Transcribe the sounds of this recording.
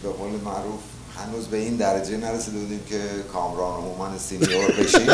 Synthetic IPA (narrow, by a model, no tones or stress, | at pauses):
be̞ɣoːlemæʔɾuːf | hænuːzbe̞ind̪æɾæd͡ʒenæɾesiːd̪e̞buːd̪iːmcʰe̞kʰɒːmɾɒːnomuːmænesiniɾobeʃi